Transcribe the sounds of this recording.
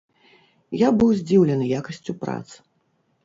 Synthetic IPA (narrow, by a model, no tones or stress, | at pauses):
jabɨwzʲd͡zʲiwlʲɛnɨjakɐsʲt͡sʲupɾa̰t̪s